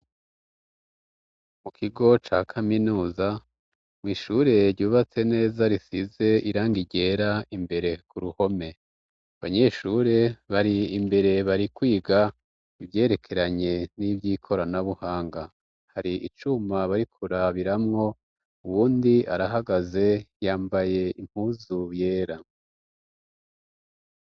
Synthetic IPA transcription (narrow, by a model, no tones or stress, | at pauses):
mukʰiɡo̞t͡ʃaːkʰaminuːza | mŋiːʃuɾe̞ɾɟuːβat͡se̞ne̞ːzaɾisize̞iɾaːŋɡiɟe̞ːɾaimbe̞ɾe̞kuɾuho̞me̞ | βaɲe̞ːʃuɾe̞βaɾiimbe̞ɾe̞βaɾikwiːɡa | iβje̞ːɾe̞kʰe̞ɾaɲe̞nibɟiːkʰo̞ɾanaβuhaːŋɡa | haɾiʔit͡ʃumaβaɾikʰuɾaβiɾamŋo̞ | uβuːndia̰ɾaɦaɡaze̞jaːmbaje̞im̥huzuje̞ːɾa